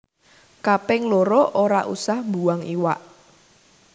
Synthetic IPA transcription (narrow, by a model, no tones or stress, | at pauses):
kapɪŋloɾoʔoɾaʔusahmbuaŋiwa̰ʔ